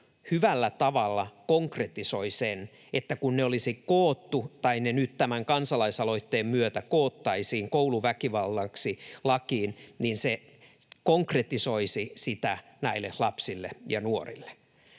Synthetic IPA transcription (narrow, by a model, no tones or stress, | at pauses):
hyʋælːæt̪ɑʋɑlːɑkoŋkret̪isoisen | et̪ːækunneolisikkoːt̪ːut̪ɑinenyt̪t̪æmæŋkɑnsɑlɑisɑloit̪ːeːmmyøt̪ækoːt̪ːɑisiːŋkouluʋækiʋɑlt̪ɑksilɑkiːnninse | koŋkret̪isoisisit̪æ | næilːehlɑpsilːḛjɑnuorḭlːe̥